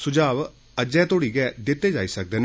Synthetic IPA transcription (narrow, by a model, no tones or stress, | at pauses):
sʊd͡ʒaːʋ | əd͡ʒɛ̃ːt̪oːɽiːɡɛːd̪ɪt̪ːeːd͡ʒaːiːsək̚d̪eːn